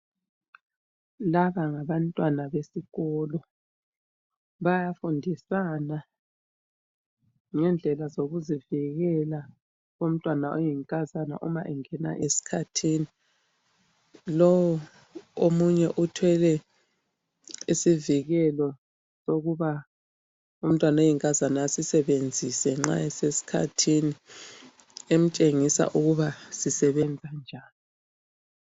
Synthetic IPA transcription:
laβaŋaβantʼwanaβesiɣɔlɔ | βajafundʱisana | ŋɛnd͡ɮʱɛlazoɣuziviɣɛla | ɣom̩tʼwanaʔojiŋkʼazana̰ʔumaʔɛŋɛna̰ʔesi̥kʰatʰini | lɔwu | omuɲɛʔutʰwɛlɛ | isiviɣɛlɔ | soɣuβa | um̩tʼwanojiŋkʼazanaːsisɛβend͡zʱisɛŋ͡ǁa̰ɛsesi̥kʰa̰tʰini | em̩t͡ʃʼeŋisa̰ʔuɣuβasisɛβɛnd͡zʱand͡ʒʱaːni

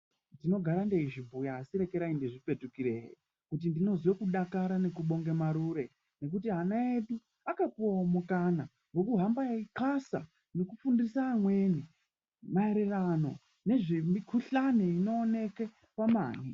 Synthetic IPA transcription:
ndino̞ɡʱaɾande̞iʐibʱujaːsiɾe̞ke̞ɾaindeʐipe̞tukiɾeɦḭ | kut̬indino̞zwekuɗakaɾane̞kuɓo̞ŋɡemaɾuɾe̞ | ne̞k̬utiɦanaeɗu | akapuwaomukana | ŋɡo̞kuɦambajaikasa̰ | no̞kufundisaːmwe̞ni | maeɾerano̞ | ne̞ʐimikʰuɬaneino̞ːne̞ke | kwama̰ːn̤i

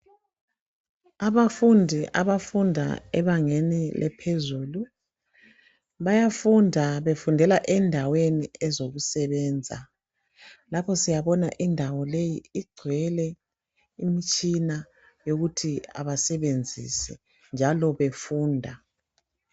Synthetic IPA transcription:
aβafundʱiʔaβafundʱa̰ɛβaŋenilʔɛ̰pʰezuːlu | βajafundʱaβefundʱɛlaʔɛndʱaweniɛzoɣusɛβɛːnd͡zʱa̰ | lapʰɔsijaβɔna̰ʔindʱawɔlejiːɡ͡ǀʱwɛlɛ | imit͡ʃʼina | joɣutʰia̰βasɛβend͡zʱḭsɛ | nd͡ʒʱalɔβefuːndʱa

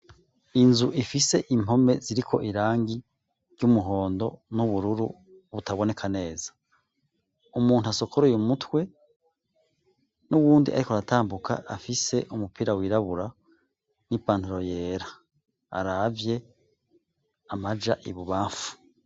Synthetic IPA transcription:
inzuʔifise̞ʔim̥o̞me̞ziɾikʰo̞̰ʔiɾaːŋɡi | ɾɟumuɦo̞ːndo̞nuβuɾuɾu | βutaβo̞ne̞kʰane̞ːza | umuːn̥uaso̞kʰoɾujumutwe̞ | nuβuːndḭʔa̰ɾikoɾataːmbukʰa̰ʔafise̞ʔumupiːɾawiːɾaβuɾa | nipaːntuɾo̞je̞ːɾa̰ː | ɾavje̞ | amad͡ʒaʔiβuβaːfu̥

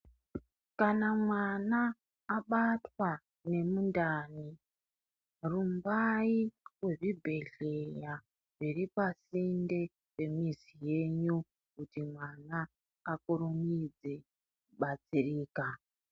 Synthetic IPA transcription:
kanamwanaː | ɓatwa | ne̞mundaːni | rumbaiwe̞ʐibʱe̞ɮe̞ja | riripasinde̞ | pe̞mizije̞ɲu | kutimwanaː | kuɾumid͡ze | kuɓat͡siriːka

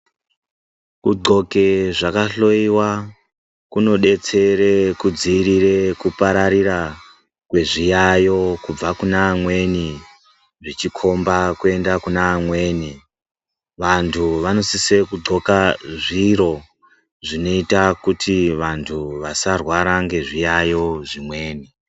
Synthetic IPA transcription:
kuǃo̞ke̞ʐakaɬo̞iwa | kuno̞ɗe̞t͡se̞ɾekud͡ziːɾire̞kupaɾaɾira | kwe̞ʐijajo̞kub͡vakunaːmwe̞ni | ʐit͡ʃikʰo̞mbakue̞ndakunaːmwe̞ːni | ʋantʰuʋano̞sise̞kuɡ͡ǀo̞kaʐiɾo̞ | ʐino̞itakutiʋantʰuʋasarwaɾaŋɡe̞ʐijajo̞ʐimwe̞ːni

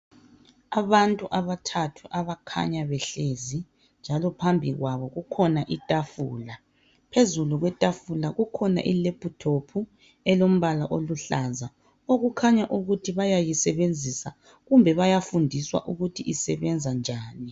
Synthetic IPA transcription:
aβantʼuʔaβatʰatʰuʔaβakʰa̰ɲaβɛɬezi | nd͡ʒʱalɔpʰambʱiɣwaβɔɣukʰɔnaʔitʼafuːla | pʰezuluɣwɛtʼafulaɣukʰɔna̰ʔilepʰʼutʰopʰu | ɛlom̩βalaʔoluɬaza | oɣukʰaɲaʔuɣutʰiβajajisɛβend͡zʱisa | ɣumbʱɛβajafundʱiswa̰ʔuɣutʰiʔisɛβɛnd͡zʱand͡ʒʱaːni

